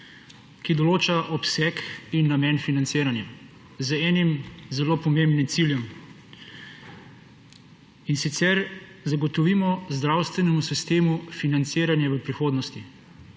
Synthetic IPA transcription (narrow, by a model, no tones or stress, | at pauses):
kid̪ɔloːt͡ʃaʔɔpsɛkinːamɛːnfinant̪seːɾanja | zəɛːnimzɛloːpɔmembnimt̪siljɔm | insit̪sɛɾzaɡɔt̪ɔʋiːmɔzd̪ɾawst̪ʋɛnɛmusist̪eːmufinant̪seːɾanjaʋəpɾixoːd̪nɔst̪i